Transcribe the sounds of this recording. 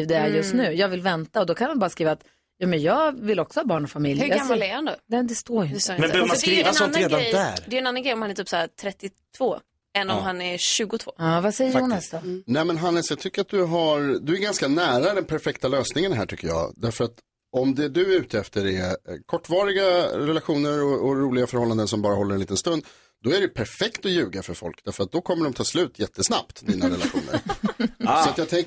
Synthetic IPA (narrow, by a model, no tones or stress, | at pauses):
iːvd̪ɛæɾjɵst̪nʉ̟ːjɑːɡvɪlvɛnt̪aɔd̪ɔkʰanʋanbɑːɾaskɾiːvat̪ | juːmɛnjɑːɡvɪlːɔksɔhɑːbɑːɳɔfamɪljhamalɛɾhand̪onɛmnd̪ɛst̪oːɾjʏnɛsmɛsiːvaɔɾɾeːd̪and̪æɾd̪ɛjɛnanːanɡɾɛjɔmhanɛt̪ʰiːpsaæt̪ʰɾɛt̪ːɪt̪ʰvoː | ɛnːɔmhanɛɾɕʉ̟ːɡʊt̪ʰvo̰ːɑːvasɛjːəɾuʊːnsd̪ɔnɛmɛnɦanːɛsjɑːt̪ʰʏkːəɾat̪̚d̪ɵɦaɾd̪ɵæɾɡanskanæːɾad̪ɛnpʰæɾfɛkt̪aløːsnɪŋənɦæːʈʰʏkːəɾjɑ̰ːd̪æɾfœɾat̪ | ɔmd̪ɛd̪ɵʉ̟ːt̪ʰɛft̪əɾɛkʰɔʈːvɑːɾɪɡaɾɛlaɧuːnəɾɔɔɾuːlɪɡafœɾhɔlːand̪əns̬ɔmbɑːɾaɦɔlːəɾɛniːt̪ənst̪ɵnd̪ | d̪ɔæɖɛpʰæɾfɛkt̪ɔjʉ̟ːɡafœɾfɔ̰lkd̪æɾfœɾat̪̚d̪ɔkʰɔmːəɖɔmt̪ʰɑːslʉ̟ːt̪ʰjɛt̪ʰːəsna̰p̚t̪d̪iːnaːɾɛlaɾɧṵːnə̰ɾ | sɔat̪jɑːt̪ʰɛŋk